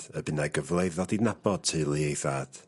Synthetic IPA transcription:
əbɪnaɡəvlˠejðɔdidnab̥ɔd̥̚tʰɨlˠiejθad̥

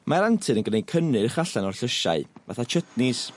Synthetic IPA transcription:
maɾantʰɨnənɡnejkʰənɨrχaɬanɔrɬəʃa̰ɨva̰θat͡ʃʰətnɪs

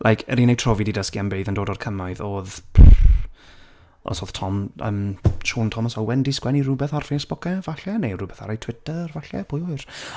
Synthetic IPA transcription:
lʔajkʰɛɾinejtʰrɔvididəskianbeɨðəndoːdɔrkʰəmaɨðoːð | ɔ̰soːð̥tʰɔmə̰mʃuːntʰɔmɔsɔwɛndiskwɛnirubɛθarfeːsb̥ɔkɛvaɬɛnejrubɛθaɾajtʰw̥ɪtərvaɬɛ̰pʰʊjɔɨr

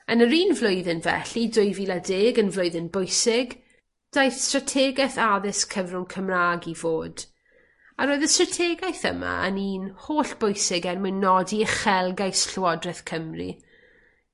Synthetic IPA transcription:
ənəɾiːnvlˠoɨðɪnvɛ̰ɬidʊɨviːlˠadeːɡənvlˠʊɨðɪnbojsɪɡ | d̥ajθstratʰɛːɡɛθaðɪskʰəvrʊŋkʰəmraːɡivoːd̥ | aɾoːɨðəstratʰɛːɡajθə̰ma̰ə̰niːnhoːɬb̥ojsɪɡɛrmɪnɔdiχɛlˠɡajsɬwɔdrɛθkʰəmrḭ

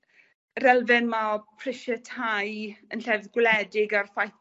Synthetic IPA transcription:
ɾɛlˠvɪnmaɔpʰr̥ɪʃətʰajənɬɛvðɡwlɛdɪɡarfaj

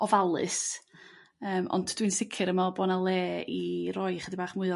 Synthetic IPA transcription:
ɔvalˠɨ̰s | əːmʔɔ̰ntʰd̥winsɪkʰɪɾəmabɔnalˠeːirɔjχədibaːχmʊːɨ

